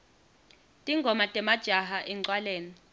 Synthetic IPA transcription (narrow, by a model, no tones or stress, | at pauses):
tʼiŋɡʱɔmatʼɛmad̥ʒ̥ʱaɦaʔɛǀwaleːni